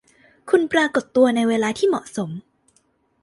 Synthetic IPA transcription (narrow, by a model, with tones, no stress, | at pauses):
kʰu˧npɾaː˧ko˨˩t̪ːu˧ɐna˧jweː˧laː˧t̪ʰiː˥˩mɔ̰˨˩ʔso˩˦m